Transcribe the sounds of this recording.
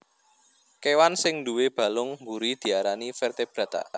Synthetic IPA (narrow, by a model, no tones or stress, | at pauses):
kewansɪŋnd̪uweb̥ä̤lʊŋmbuɾid̪̥i̤aɾanifɛrt̪eb̥ɾä̤t̪a̰ʔ